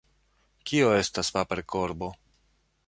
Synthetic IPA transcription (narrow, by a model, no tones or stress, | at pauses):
kio̞e̞staspape̞ɾkʰo̞ɾbo̞